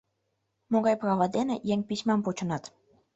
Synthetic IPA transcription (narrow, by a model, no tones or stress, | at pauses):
moɣɑjprɑvɑd̪enejeŋpit͡ɕmɑmpot͡ɕə̆nɑt̪